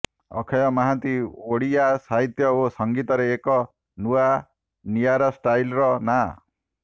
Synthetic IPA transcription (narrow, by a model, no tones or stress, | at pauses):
ɔ̰kʰɔjɔmaɦant̪ioɽijasaɦit̪jɔosɔŋɡit̪ɔɾeːkɔ | nua | niaɾɔsʈajlɾɔna